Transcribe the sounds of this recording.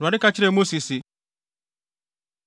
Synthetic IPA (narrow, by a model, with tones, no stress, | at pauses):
ɾwa˨nɪ˦ka˦t͡ʃi˦ɾe˦˨mo˦si˨si˨